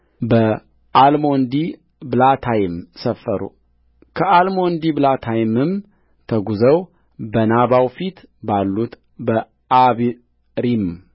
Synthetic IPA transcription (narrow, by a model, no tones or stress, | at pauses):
bə | ʔalmo̞nd̪i | bɨlat̪ʰajɪmsəfːəɾṵ | kʰəʔalmond̪iblat̪ʰajɪmɨm | t̪ʰəɡuzəw | bənaβawfit̪ | balːut̪ | bə | ʔaβ | ɾim